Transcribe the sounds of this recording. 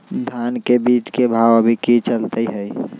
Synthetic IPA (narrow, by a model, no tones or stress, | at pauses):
d̪ʱankebit͡ʃkebʱawəbʱikit͡ʃəlt̪əɦəi